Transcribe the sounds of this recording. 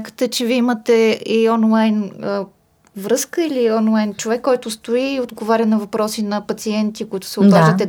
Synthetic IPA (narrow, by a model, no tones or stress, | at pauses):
kə̥t̪ɛt͡ʃɛviimət̪ɛiɔnlˠajnə | vɾɤskəiliɔnlˠajnt͡ʃovɛkːɔjt̪ʊst̪oiod̪ɡovaɾʲənɐvɐpɾɔsinɐpɐt̪siɛnt̪ikʊit̪ʊ̥sɛot̪vˠlaʒd̪ət̪ɛ